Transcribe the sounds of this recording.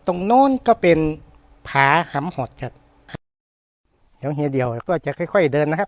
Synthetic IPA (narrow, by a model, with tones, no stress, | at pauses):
t̪o˧ŋnɔː˧˥˨nkɔː˧˩pe˨n | pʰaː˨˦ha˨˦mhɔː˨˩t̪̚t͡ɕa˧˩ | ha˧ | hi˨˦wɦi˧˦di˨˩əwkɔː˧˩˨t͡ɕa˧˩kʰɔ˧˥˨jkʰɔ˧˩jdɤː˧nːa˧kʰa˧˥p̚